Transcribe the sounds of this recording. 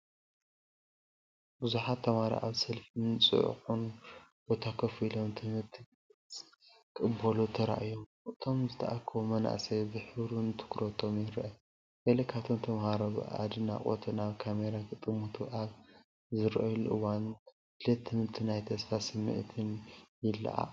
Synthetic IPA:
buzuħat̪ʰːɐmaɾa̰ʔaβsɐlfɨnt͡sʼɨ̰ʕ̰xunb̥o̞t̪ʰakʰɐfilo̞mt̪ʰɨmɨɾt̪ʰi | kʼɨbɐlut̪ʰɐɾa̰ʔjom | ʔɨt̪ʰo̞mzɨt̪ʰɐ̰ʔakʰːɐβomɐna̰sɐbɨħɨβɾunt̪ʰɨ̥kɾot̪ʰo̞mjɪɾʔɐ | ɡɐlɐkʰat̪ʰont̪ʰɐmhaɾɐβ̰ʔa̰d̪ɨna̰qʼo̰t̪ʰɨnaβkʰameɾakɨt̪ʼɨmut̪ʰuʔaβ | zɨɾʔɐjluʔɨwan | hɨlɐt̪ʰːɨmɨɾt̪ʰinajt̪ʰɐsfasɨmːɨ̰ʔt̪ʰɨnjɪlːɐ̰ʔa̰

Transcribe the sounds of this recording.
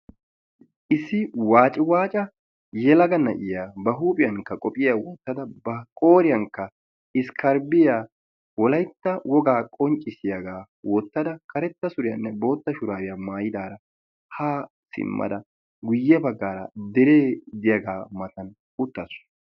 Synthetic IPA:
ʔɪsːɪwaːt͡ʃʼɪwaːt͡ʃʼɐ | jɛlɐɡɐnːɐʔɪjaːbɐɦuːpʼɪjɐŋkːɐkʼɔpʼɪjaːwɔt̪ːɐd̪ɐbɐkʼo̞ːɾɪjɐŋkːɐ | ɪskʰɐɾbɪjaː | wɔlɐjt̪ːɐwɔɡaːkʼɔnt͡ʃʼːɪsɪjɐɡaː | wʔɔt̪ːɐd̪ɐkɐɾɛt̪ːɐsʊɾɪjɐnːɛbo̞ːt̪ːɐʃʊɾaːwɪjamaːjɪd̪aːɾɐ | haː | sɪ̰mːɐ̰d̪ɐ | ɡʊjːɛbɐɡːaːɾɐ̰d̪ɛɾeːd̪ɪjaɡaːmɐt̪ɐn | ʊt̪ːɐsʊ̥

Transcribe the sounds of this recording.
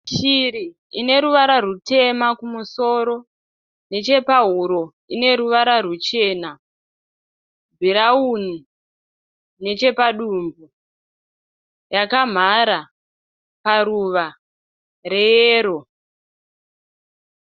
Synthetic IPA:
t͡ʃiɾi | ine̞ɾuʋaɾarute̞makumuso̞ɾo̞ | ne̞t͡ʃe̞paɦuɾo̞ | ine̞ɾuʋaɾarut͡ʃe̞ːna | bʱiɾauni | ne̞t͡ʃe̞paɗumbu | jakam̤aɾa | paɾuʋa | re̞jeːɾo̞

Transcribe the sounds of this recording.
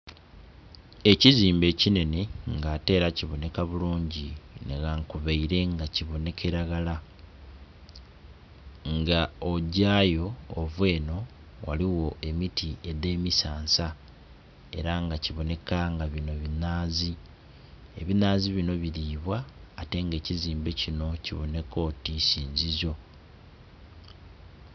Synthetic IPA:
e̞ciziːmbe̞ːcine̞neŋɡaːte̞ːɾaciβo̞ne̞kaβuluːɲɟineɡaŋkuβeiɾe̞ŋɡaciβo̞ne̞kʰe̞ɾaɡala | ŋɡaoɟaːjo̞ːvwe̞ːno̞ | wa̰liwo̞e̞mitʰie̞de̞ːmisaːnsa | e̞̰ɾaŋɡaciβo̞ne̞kaŋɡaβino̞βinaːzi | e̞̰βinaːziβino̞βiɾiːβwaːte̞ŋɡe̞ːciziːmbe̞cino̞ciβo̞ne̞ko̞tisiːnzizo̞

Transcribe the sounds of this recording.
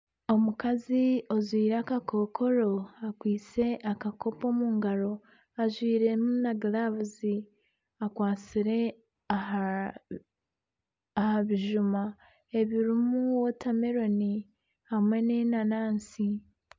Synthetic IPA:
o̞mukazio̞zwiːɾeakako̞kʰo̞ɾo̞akwiːt͡se̞ʔakako̞po̞muːŋɡaɾo̞ | aʒwiːɾe̞munaɡilaβuzi | akwaːt͡siɾe̞ | a | haβiʒuma | eβiɾumuwotame̞ɾo̞ni | hamwe̞nenanaːnsi

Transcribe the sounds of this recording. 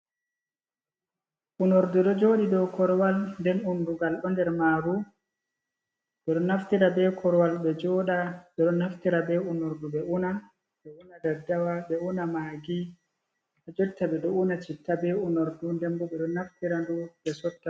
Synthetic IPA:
ʔunoɾduɗɔd͡ʒoːɗidɔkɔɾwalndɛnunduŋɡalɗɔndɛɾmaːɾu | ɓɛɗɔnaftiɾabɛkʰɔɾwalɓɛd͡ʒɔːɗaɓɛɗɔnaftiɾabɛunoɾduɓɛʔuna | ɓɛunadɛdawaɓɛunamaːɡi | ad͡ʒoɗitːabɛɗɔunat͡ʃitːabɛunoɾdundɛmbɔɓɛɗɔnaftiɾandubɛsɔtːa

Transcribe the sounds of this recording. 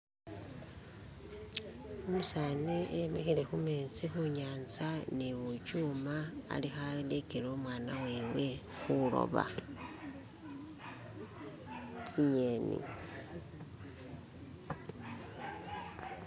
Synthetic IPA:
omusaːneʔemexile̞xumeːsixuɲaːnt͡saniβucuːmaa̰lixalilekelo̞ːmwaːnaweːwe̞ | xulo̰βa̰ | t͡sijenḭ

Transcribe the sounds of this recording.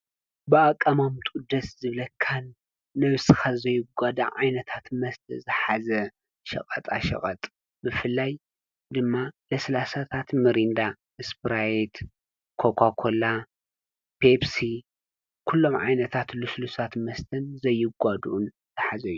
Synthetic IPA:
bɨakʼːɐmamt̪ʼud̪ɐszɨβlɐkʰːanː | ɐβɨsɨxazɐjːɪɡʷad̪ɐʕajnɐt̪ʰat̪mɐst̪ʰɐzɨħazɐ | ʃɐ̰kʼɐt̪ʼaʃɐ̰kʼɐt̪ʼ | bɨfɨlːaj | d̪ɨmːalɐsɐlasat̪ʰat̪mɨɾind̪a | ɨspɨɾaet̪ | kʰokʰakʰola | pʰebsi | kʰulːo̞mʕa̰jnɐt̪ʰat̪luslusat̪mɐst̪ʰɐnzɐjːɪɡʷad̪uʔun | zɨħazɐjːu

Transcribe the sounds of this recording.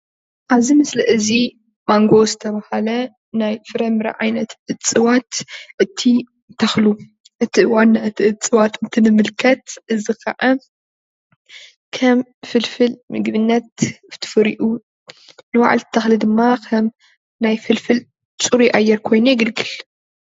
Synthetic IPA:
ʔaβzimɨslɐʔɨzi | maŋɡo̞zɨt̪ʰɐβahalɐ | najfɨɾɐmɨɾɐ̰ʕa̰jnɐt̪ɨt͡sʼɨwat̪ʔɨt̪ʰi | t̪ʰɐxlu | ʔɨt̪ʰiwanːaɨt̪ʰiʔɨt͡sʼɨwat̪ɨnt̪ʰinɨmɨlkʰɐt̪ʔɨzikʰɐ̰ʕa | kʰɐmfɨlfɨlmɨɡβɨnːɐt̪ft̪ʰɨ̥fɨɾḭʔu | nɨwa̰ʕa̰lɨ̥t̪ʰːɐxlid̪ɨmːakʰɐm | najfɨlfɨl | t͡sʼuɾiʔajːɛɾkʰo̞jnujɪɡɨlɡɨl

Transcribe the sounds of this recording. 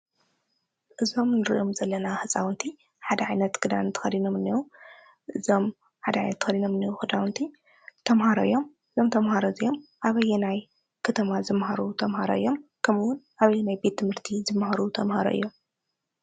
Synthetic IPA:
ʔɨzo̞mnɨɾɨʔomzɐlːɐnahɨt͡sʼawnt̪ʰi | ħad̪ɐʕajnɐt̪ɡɨd̪a̰nnt̪ʰɨ̥xɐd̪inomɨnːiwu | ʔɨzo̞m | ħad̪ɐʕa̰jnɐt̪ːɨ̥xɐd̪inomɨnːiwuhɨd̪awnt̪ʰi | t̪ʰɐmhaɾo̰ɨjːo̞mʔɨzomt̪ʰɐmhaɾozijomʔaβɐjːɛnaj | kʰɐt̪ʰɐmazɨmhaɾut̪ʰɐmhaɾo̰ʔɨjːo̞mkʰɐmɨwʊnʔaβɐjːɛnajbe̞t̪ʰːɨmhɨɾt̪ʰizɨmhaɾut̪ʰɐmhaɾo̰ʔɨ̰jːo̞m

